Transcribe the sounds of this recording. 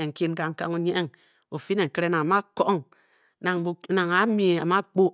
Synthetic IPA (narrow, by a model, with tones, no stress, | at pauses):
e˨ŋ̩˨ki˦n˦ka˦ŋ̩˦ka˦ŋo˦ɲe˦e˦ŋ | o˨fi˦ne˨ŋ̩˨ke˦ɾe˦na˨ŋa˨ma˦ko˦ŋ | na˨ŋbna˨ŋa˨˦mi˦˨a˨ma˦k͡po˦